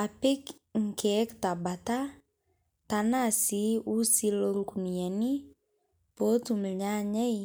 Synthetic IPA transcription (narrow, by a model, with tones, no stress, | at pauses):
a˨pɪ˦k | ŋ̩˨kɛ˦kta˨ba˨ta˦ | ta˨na˦si˨˦u˦si˦lo˦ɾkumi˨a˨ni˦ | po˦tu˨m̩˨ɲa˦ɲɛ˦j